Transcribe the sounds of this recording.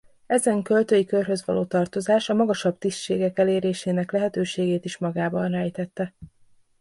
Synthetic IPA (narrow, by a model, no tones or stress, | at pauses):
ɛzɛŋkø̞lt̪øːjikørɦø̞zʋɒ̰loːt̪ɒrt̪o̞zaːʃɒmɒɡɒʃɒbt̪istt͡ʃʃeːɡɛkɛleːɾeːʃeːnɛklɛɦɛt̪øːʃeːɡeːt̪iʃmɒɡaːbɒnrɛjt̪ɛt̪ːɛ